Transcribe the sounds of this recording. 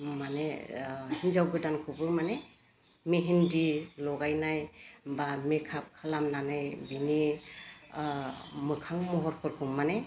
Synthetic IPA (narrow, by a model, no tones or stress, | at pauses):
manehinzawɡɯdankʰɯbɯmane | meɦindilɔɡajnajbamekʰap̚kʰalamnanajbini | mɯkʰaŋmɔɦɔɾkʰɔɾkʰɯmane